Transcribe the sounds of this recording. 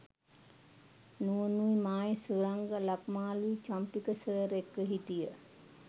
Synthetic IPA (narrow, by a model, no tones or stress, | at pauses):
nuənuimaːjesuɾaŋɡəlakmaːluit͡ʃampikəsəɾekːəɦiʈijə